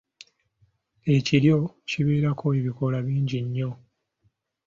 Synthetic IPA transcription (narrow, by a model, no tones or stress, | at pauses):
e̞ciɾjo̞ciβeːɾakʰo̞eβiko̞laβiːɲɟiɲːo̞